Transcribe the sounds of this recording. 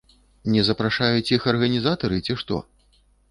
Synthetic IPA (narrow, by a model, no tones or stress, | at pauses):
nʲɛzɐpɾaʂajut͡sʲixɐrɣɐnʲizat̪ɐɾɨt͡sʲiʂt̪ɔ̰